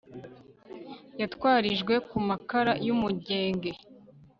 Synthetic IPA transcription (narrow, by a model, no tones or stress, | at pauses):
jatwaːɾiʒɡwe̞kumakaɾajumuɟe̞ːŋɡe̞